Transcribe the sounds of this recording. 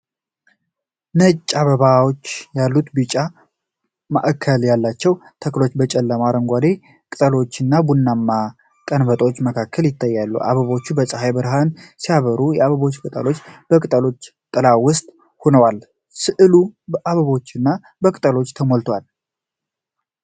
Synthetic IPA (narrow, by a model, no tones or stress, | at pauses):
nət͡ʃʼːaβəβawot͡ʃːjalːut̪bɨt͡ʃʼa | ma̰ʔkʰːəljalːat͡ʃːɛwt̪ʰəklo̞t͡ʃːbət͡ʃʼɛlːəmaɾəŋɡʷad̪e̞ | kʼɨt̪ʼəlo̞t͡ʃːɨnːabunːamːa | kʼənbət̪ʼwot͡ʃːməkʰakʰːəljɪt̪ʰːajːalːṵʔa̰βəβo̞t͡ʃːubəsʼəhajbɨɾɦansiaβəɾujɛaβəβo̞t͡ʃːkʼɨt̪ʼə̰lo̞t͡ʃːb̥əkʼɨt̪ʼəlo̞t͡ʃːt̪ʼɨlawʊst̪ʼ | honəwal | sɨʔɨlubəʔaβəβo̞t͡ʃːɨnːa | bəkʼɨt̪ʼəlo̞t͡ʃːt̪ʰəmolt̪ʰwal